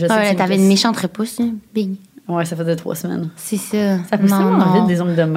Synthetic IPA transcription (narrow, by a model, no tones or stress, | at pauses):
ʒəwɛt̪avɛnmeʃɑ̃t̪χɛposibiɡwɛsafɛət̪χwa̰smɛ̰nsesasapnusɔ̃ɛ̃nɑ̃ɪd̪ezɔ̃ɡd̪əm